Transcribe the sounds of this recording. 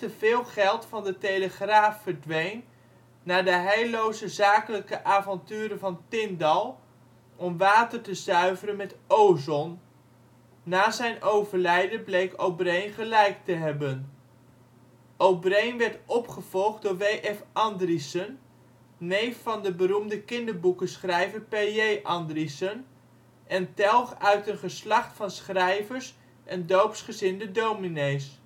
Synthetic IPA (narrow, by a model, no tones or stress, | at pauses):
təvɪːlˠχɛlˠtfɑndətejləχraːfːəɹdʋejn | naːɹdəɦɛjlowzəzaːkələkəʔaːvɑntyːɾəvɑntɪndɑlˠ | ʔɔmʋaːtəɹtəzœɥvərənmɛtowzɔn | aːzɛjnʔowvəɹlɛjdənblejkowbrejnχəlɛjk̚təɦɛbən | owbrejnʋɛɹtɔpχəv̥ɔlˠχd̚ʊːɹʋejʔɛfʔɑndrisənː | ejfːɑndəbəɾumdəkɪndəɹbukəsχrɛjvəɹpeejʔɑndrisən | ɛntɛlˠχœɥtənχəslɑχtfɑnsχrɛjvəɹs | ʔɛndowpsχəzɪndədowminejs